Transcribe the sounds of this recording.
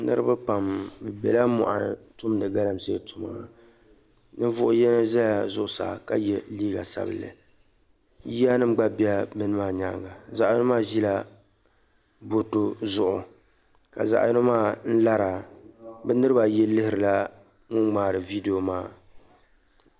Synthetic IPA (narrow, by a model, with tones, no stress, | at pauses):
nɨ̰˦ɾɨ˦ba˦pa˨mbɨ˨bɛ̰˨la˦mʊ̰˨ʔa̰˨tʊ˦mnɨ˨ɡa˦la˦mse˦tʊ˨ma̰ː˨˦ | nɨ˦vʊ˦ʔʊ˦jɛ˦na˦za˦la˨zʊ˦ʔʊ˨sa̰ː˨ka̰˦jɛ˦liː˦ɡa̰˨sa̰˦bɨ̰˨lɨ̰˨ | ja˦nɨ˦m˦ɡ͡ba˦bi˦a˦mɨ˦nɨ˦maː˦˨ɲa̰˦ŋɡa˨za˨ʔjnɨ˦maː˦ʒi˦la˦ | bo˦to˦zʊ˦ʔʊ˨ | ka̰˨za̰˨ʔjnɨ˦maː˦n̩˦la˦ɾa˨bɛ˦nɨ˦ɾɨ˦ba˨jɛ˦lɨ˦hɪ˨˦ɾɨ˨la˦ | ŋʊ˦ŋŋ͡maː˨ɾɨ˨vi˦de˨o˨maː˦˨